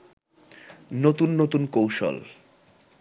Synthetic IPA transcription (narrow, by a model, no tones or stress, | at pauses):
not̪unːot̪unkowʃo̰l